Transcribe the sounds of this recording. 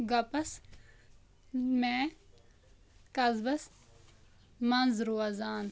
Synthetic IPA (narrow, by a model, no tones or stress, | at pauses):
ɡɐpɐs | mẽ | kɐzbɐs | mɐnzɾuɐzaːn